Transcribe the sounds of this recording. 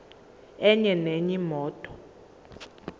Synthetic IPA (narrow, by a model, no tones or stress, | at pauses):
ɛɲɛneɲimɔːtʼɔ̥